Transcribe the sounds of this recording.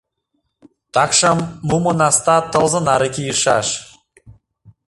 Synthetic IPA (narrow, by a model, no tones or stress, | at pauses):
t̪ɑkʃəmːumənɑst̪ɑt̪ɤ̆lˠzɤ̆nɑɾəkʲijəʃɑ̰ʃ